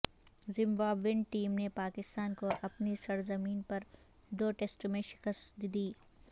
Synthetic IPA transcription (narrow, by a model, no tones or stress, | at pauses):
zɪ̃mbaːbʋɪnʈiːmnepaːkɪst̪aːnkoʔɐpnisɐɾzɐmiːnpɐɾ | d̪oːʈesʈmẽʃɪ̥kəst̪d̪d̪iː